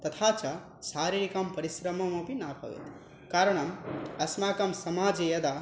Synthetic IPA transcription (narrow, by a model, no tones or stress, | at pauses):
t̪ɐt̪ʰat͡ʃʰʌ | saɾiɾikɐmpɐɾisɾɐmɐmopinabʱʌ̰ʋḛt̪ | kaɾɐɽ̃ʌmɐsmakɐmsɐmad͡ʒijɐd̪a